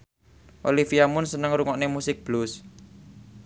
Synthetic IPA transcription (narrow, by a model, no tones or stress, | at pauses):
ʔolifiamʊnsənəŋɾuŋɔʔnemusɪk̚b̥lʊs